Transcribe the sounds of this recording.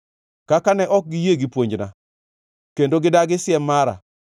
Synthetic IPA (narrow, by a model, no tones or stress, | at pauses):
kakanɛʔɔk̚ɡijeɡipwoɲd͡ʒna̰ | kendoɡɪdaɡɪsɪjɛmaɾa̰